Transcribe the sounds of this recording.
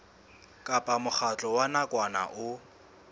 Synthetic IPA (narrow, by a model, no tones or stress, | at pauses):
kʼapʼamʊk͡xat͡ɬʼɔwanakʼwana̰ʔʊ